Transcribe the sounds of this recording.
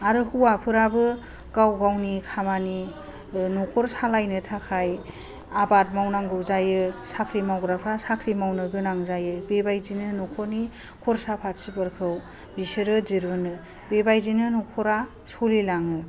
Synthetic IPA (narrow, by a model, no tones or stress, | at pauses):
aɾɯhuwapʰɯɾabɯ | ɡawɡawnikʰamani | nɔkʰɔɾsalajnɯtʰakʰaj | abat̚mawnaŋɡɯwzajɯsakʰɾimawɡɾapʰɾasakʰɾimawnɯɡɯnaŋzajɯbebajzinɯnɔkʰɔɾni | kʰɔɾsapʰatsibɯɾkʰɯw | bisɯɾɯziɾbɯnɯ | bebajzinɯnɔkʰɔɾa | sulilaŋɯ